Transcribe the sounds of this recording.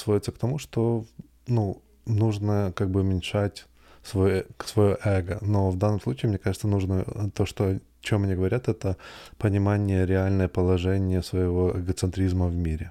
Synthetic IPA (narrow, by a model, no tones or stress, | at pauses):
svodʲɪt̪səkt̪ɐmuʂt̪o | nu | nuʐnəkaɡ̚bɨʊmʲɪnʲʂatʲ | svojsvɐjoʔɛɡənovd̪anːəmslˠut͡ɕiːmnʲekaʐɨt̪sənuʐnət̪oʂt̪oɐ | t͡ɕomɐnʲiɡəvɐɾʲat̪ɛt̪əpənʲɪmanʲɪjəɾʲɪalʲnəjəpəlˠɐʐɛnʲɪjəsvəjɪvo̞ʔɛɡət̪sɨnt̪ɾʲizməvmʲiɾʲɪ